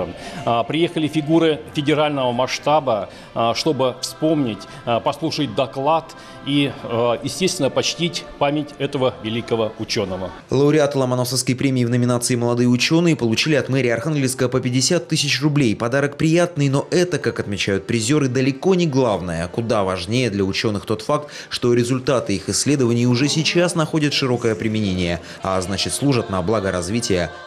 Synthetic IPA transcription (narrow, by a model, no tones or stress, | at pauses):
pɾʲɪjexəlʲɪfʲɪɡuɾɨfʲɪdʲɪɾalʲnəvəmɐʂt̪abə | ʂt̪o̞bɨfspo̞mnʲɪtʲ | pɐslˠuʂət̚ʲd̪ɐklˠat̪ | ijɪsʲtʲest̪vʲɪnəpɐt͡ɕtʲitʲpamʲɪtʲɛt̪əvəvʲɪlʲikəvəʊt͡ɕonːəvə | lˠəʊɾʲɪat̪lˠəmɐnofsəfskəjpɾʲemʲɪːvnəmʲɪnat̪sɨɪməlˠɐd̪ɨjəʊt͡ɕo̞nːɨjəpəlˠʊt͡ɕilʲɪɐt̪mɛɾʲɪəɐrxanɡʲlʲɪfskəvəpəpʲɪdʲɪsʲat̪ːɨsʲɪt͡ɕrʊblʲejpɐd̪aɾək̚pɾʲɪjat̪̚nɨjno̞ʔɛt̪əkakɐt̪mʲɪt͡ɕæjʊt̪̚pɾʲɪzʲo̞ɾɨd̪əlʲɪko̞nʲɪɡlˠavnəjəkʊd̪avɐʐnʲejəd̪lʲɐʊt͡ɕo̞nːɨxt̪o̞t̪fak̚t̪ | ʂt̪o̞ɾʲɪzʊlʲt̪at̪ɨixɪsʲːlʲed̪əvənʲɪjʊʐɛsʲɪt͡ɕasnɐxo̞dʲɪt̪ʂɨɾo̞kəjəpɾʲɪmʲɪnʲenʲɪjə | a̰znat͡ɕɪt̪slˠuʐət̪̚nɐblˠaɡəɾɐzvʲitʲɪjə